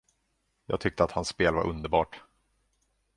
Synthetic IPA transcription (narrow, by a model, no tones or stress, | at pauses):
jɑːɡ̚t̪ʰʏk̚t̪əat̪hansːpeːlva̰ɾʔɵnd̪əɾbɑːʈ